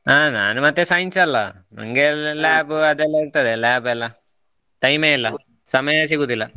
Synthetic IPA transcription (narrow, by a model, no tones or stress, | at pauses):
aːna̰ːnɨmɐt̪ːesɐjnsɐlːɐ̰ | mɐ̰ŋɡellaːbɐðelːɐkt̪ːɐðelaːbelːa | t̪ɐjmeːɐlːɐ | sɐmɐjaːsikut̪ːilːɐ